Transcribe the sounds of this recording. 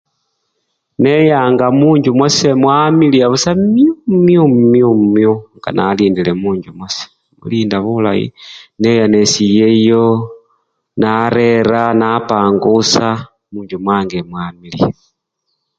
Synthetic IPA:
nejaːŋɡamuːɲɟumwasemwamiliaβusammiommiommiumumjuŋɡa̰naliːndilemuːɲɟumwase̥ | mṵliːndaβula̰jḭnejanesijejo | naɾeɾanapaːŋɡusa | muːɲɟumwaːŋɡemwamilḭa

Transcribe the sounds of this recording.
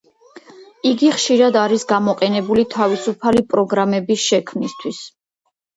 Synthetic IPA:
iɡiχʃiɾad̪aɾisɡamɔqʼɛnɛbulit̪ʰavisupʰalipʼɾɔɡɾamɛbisʃɛkʰmnist̪ʰwis

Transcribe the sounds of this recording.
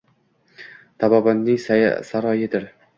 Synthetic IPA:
t̪ʰabɒbanːɪŋssaɾɒjɪd̪ɪɾ

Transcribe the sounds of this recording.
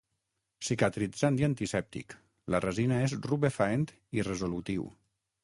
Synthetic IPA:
sikat̪ɾizand̪iant̪isɛp̚t̪ḭk | larəzinaezruβefaent̪ | irəzolut̪iw

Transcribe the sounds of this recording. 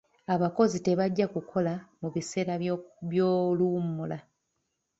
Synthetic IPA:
aβako̞zite̞βaɟːakukʰo̞lamuβise̞ːɾaβjoːlumula

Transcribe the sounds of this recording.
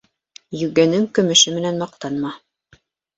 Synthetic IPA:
jɵ̆ɡænɘŋkɵ̆mɘ̆ʃɘmɘ̆nænmɑq̚t̪ɑnmɑ

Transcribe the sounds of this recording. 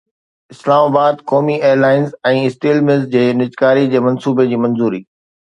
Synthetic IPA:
ɪslaːmaːbaːd̪kɔːmieːəɾlaːɪnzɛ̃ːɪsʈiːlmɪzd͡ʑeːnɪd͡ʑkaːɾid͡ʑeːmɐ̃nsuːbed͡ʑiːmɐ̃nzuːɾiː

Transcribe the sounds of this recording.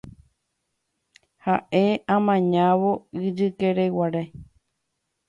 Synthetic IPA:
haʔeãmãɲãʋoɨd͡ʒɨkeɾewaɾe

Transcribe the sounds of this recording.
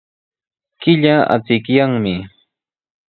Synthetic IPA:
kɪʎaa̰t͡sɪkjaŋmɪ

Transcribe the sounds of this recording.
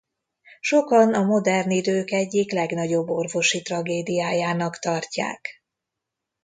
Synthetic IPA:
ʃo̞kɒnɒmo̞d̪ɛrnid̪øːkɛɟːiklɛɡn̪ɒɟo̞bːo̞rvo̞ʃit̪rɒɡeːd̪ijaːjaːnɒkt̪ɒrca̰ːk

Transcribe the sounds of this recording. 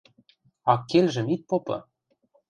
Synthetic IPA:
ɑkːelʲʒɘ̆mit̪̚popɤ̰̆

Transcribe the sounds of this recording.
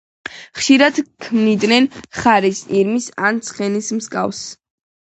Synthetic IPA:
χʃiɾad̪̥kʰmnid̪nɛnχaɾisiɾmisant̪sʰχɛnismskʼa̰vs

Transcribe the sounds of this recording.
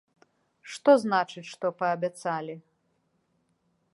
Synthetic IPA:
ʂt̪ɔznat͡ʂɨt͡sʲʂt̪ɔpɐːbʲat̪salʲi

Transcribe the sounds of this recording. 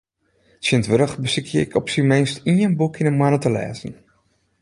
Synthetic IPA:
tsjɪntʋɪɾəxbəsikʰjəɪ̰kʰɔpsimenstiənbukʰinənmanətəlɛ̰ːzən

